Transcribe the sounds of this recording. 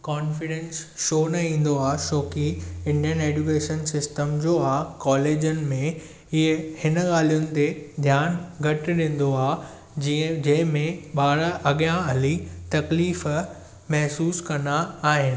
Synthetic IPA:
kɔːnfɪɽẽːnsʃoːnɐĩːn̆d̪oaːʃoːkiɪ̃ɳɖijəneːd͡ʑukeːʃənsɪsʈəmd͡ʑoːaːkɔːleːd͡ʑʊnɪ̆mẽ | ɪɦehɪnɠaːl̤ijʊnɪ̆t̪ed̪ʱjaːnɡʱɐʈɗɪ̃ːn̆d̪oaː | id͡ʑɐ̃ɦɪ̃mẽɓaːɾʔɐɠjãɐlit̪ɐkliːf | mɛɦsuːskɐnaːɦɪnɪ̆

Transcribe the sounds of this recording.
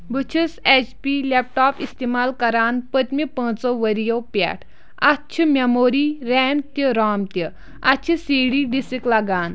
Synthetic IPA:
bɨt͡ʃʰiset͡ʃpilep̚ʈaːpist̪imaːlkɐɾaːnpət̪mipə̃ːt͡soʋəɾijopɛ̰ʈʰ | att͡ʃʰimemoːɾiɾɛmt̪jəɾaːmt̪jə | at͡ʃʰisiɽiːɖisiklaɡaːn

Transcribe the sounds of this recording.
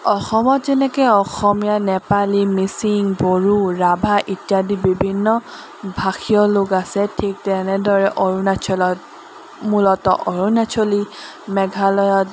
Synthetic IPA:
ɔxɔmɔtzɛnɛkɛɔxɔmijanɛpalimisiŋboɹuɹabʱaʔitjadibibʱinːɔ | bʱaxʰijɔloɡasɛtʰik̚tɛnɛdɔɹɛʔɔɹunat͡ʃʰɔlɔt̚ | mulɔtɔ̰ʔɔɹunat͡ʃʰɔli | mɛɡʱalɔjɔt̚

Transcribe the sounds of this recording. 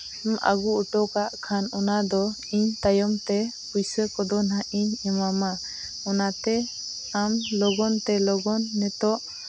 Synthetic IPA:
ma̰ɡuuʈɔkaʔkʰanɔnad̪ɔ | iɲt̪ajɔmt̪ɛ | pujsɛkɔd̪ɔnɦaʔiɲɛmama | ɔnat̪ɛ | amlɔɡɔnt̪ɛlɔɡɔnːɛt̪ɔʔ

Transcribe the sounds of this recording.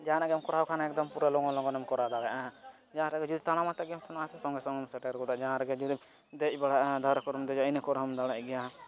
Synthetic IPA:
d͡ʒaanaɡɛmkɔɾawkʰanaɛk̚d̪ɔmpuɾalɔɡɔlɔɡɔnɛmkɔɾad̪alɛʔa | d͡ʒaãɾaɡɛd͡ʒud̪it̪aɽ̃amat̪ɛɡɛɔt̪ʰɔnaasɛsɔŋɡɛsɔ̃ŋɛmsɛʈɛɾɡɔɖaʔd͡ʒaãɾɛɡɛd͡ʒud̪i | d̪ɛc̚baɽaʔad̪ʱaɾkɔɾɔmd̪ɛd͡ʒainəkɔɾɔmd̪aɽaʔɡɛja

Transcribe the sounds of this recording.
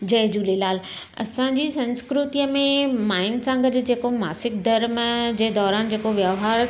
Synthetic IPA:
d͡ʑɐːɦd͡ʑuːlilaːl | ɐ̰sãd͡ʑiːsɐ̃nskɾʊt̪ijəmẽmaːɪnsãŋɡɐdʊ̆d͡ʑeːkoma̰ːsɪk̚d̪ɐɾmd͡ʑeːd̪ɔːɾaːnd͡ʑeːkoʋjəʋɦaːɾ

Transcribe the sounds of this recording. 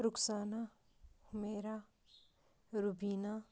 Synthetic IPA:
ɾʊksaːna | hʊmeːɾa | ɾʊbiːna

